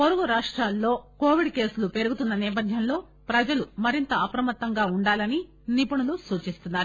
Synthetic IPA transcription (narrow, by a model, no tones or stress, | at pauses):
poɾuɡuɾaːʂʈɾaːlːo̞ːko̞ːʋiɖke̞ːsulupe̞ɾuɡut̪unːɐniːp̬ɐd̪ʱjɐnlo̞ː | pɾɐd͡ʒɐlumɐɾint̪ɐɐpɾɐmɐt̪ːɐŋɡaːuɳɖaːlɐni | nipuɳulusuːt͡ʃist̪unːaːɾu